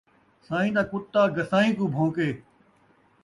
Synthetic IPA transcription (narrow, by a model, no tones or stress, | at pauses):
saːɦĩːd̪aːkʊt̪ːaːɡəsaːĩːkũːbʱõːkeː